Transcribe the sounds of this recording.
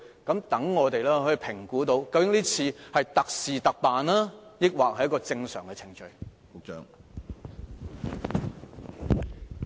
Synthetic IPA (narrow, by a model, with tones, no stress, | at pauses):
kɐ˨˥mt̪ɐ˨˥ŋŋɔː˨˧t̪e˨jlɛː˥hɵ˧pʰɪ˨˩ŋkuː˨˥t̪o˨˧˥wkɐ˧wkɪ˨˥ŋniː˥t͡sʰiː˧hɐ˨jt̪ɐ˨k̚siː˨t̪ɐ˨k̚paː˨nlaː˥jɪ˥k̚waː˨k̚hɐ˨jːɐ˥kɔː˧t͡sɪ˧ŋsœ̰ː˨˩ŋkɛ˧t͡sʰɪ˨˩ŋt͡ʃɵ˧ɥ | kʊ˨k̚t͡ʃœ̰ː˧ŋ